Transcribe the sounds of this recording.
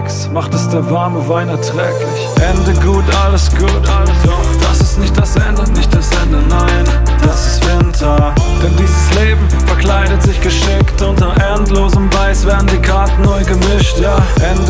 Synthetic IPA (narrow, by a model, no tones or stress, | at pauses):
ksmaχtɛsd̥eːɐvaɐməvaɪnɛɐtʁ̥ɛːklɪçʔɛndəɡuːtʔaləsɡ̥uːtʔaləsad̥asɪstnɪçtd̥asʔɛndənɪçt̚d̥asʔɛndənaɪnd̥asɪstv̥ɪntʰɐd̥ɛndiːzəsleːbm̩fɛɐklaɪdətz̥ɪçɡ̥əʃɪktʔʊntɐʔɛntloːzəmvaɪsv̥eːɐdn̩diːkʰaɐtn̩nːɔʏɡəmɪʃtjaːʔɛnd